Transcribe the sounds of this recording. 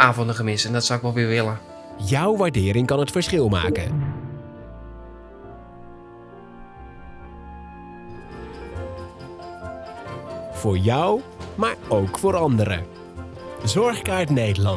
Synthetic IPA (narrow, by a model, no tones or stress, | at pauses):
ʔaːvɔndəχəmɪsɛndɑtsawɪkʋɛlˠʋɪːɹʋɪlə | jʌwʋaːɹdɪːɾɪŋkɑnɦətfəɹsχɪlˠma̰ːkə̰n | v̥ʊːɹjʌwmaːɹowkfoːɹɑndəɾə̰ | zɔɹχkaɹtnejdəlɑn